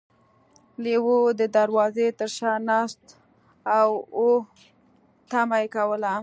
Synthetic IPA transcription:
lewod̪əd̪aɾwɑzet̪əɾʃɑnɑst̪ | awo | t̪amajekawəla

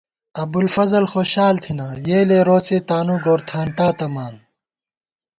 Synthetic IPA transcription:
ɐbulfɐzɐlxoːɕaːlt̪ʰinajeːleːɾoːt͡seːt̪aːnuɡoːɾt̪ʰaːnt̪aːt̪ɐmaːn

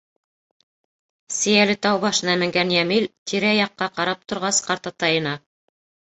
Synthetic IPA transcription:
sɘ̆jælɘt̪ɑwβɑʃɤ̆nɑmɘ̆ŋɡænjæmilt̪ʰiɾæjɑqːɑqɑɾɑp̚t̪ŏɾʁɑsqɑɾt̪ɑt̪ɑjɤ̆nɑ

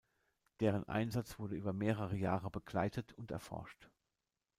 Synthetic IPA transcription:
d̥eːʁ̞ənʔa̰ɪnzat͡sv̥ʊɐdəʔyːbɐmeːʁəʁəjaːʁəbəɡlaɪtʰətʰʊntɛ̰ɐfɔ̰ɐʃt

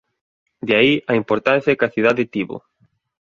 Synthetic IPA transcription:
d̪eaiɐimpoɾt̪anθjɐkaθiðaðet̪iβo̰

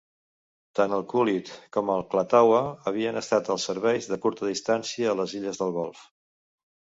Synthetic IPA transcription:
t̪anəlˠkulit̪kɔməlˠklət̪awəːβ̞iənəst̪at̪əlˠsəɾβɛjzðəkuɾt̪əðist̪ansiəːləziʎəzðəlˠɣɔlˠf

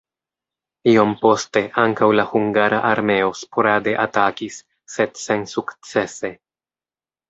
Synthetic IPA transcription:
io̞mpo̞ste̞ʔaŋkawlahuŋɡaɾaʔaɾme̞o̞spoɾade̞ʔatakisː | e̞dse̞nsukt͡se̞se̞

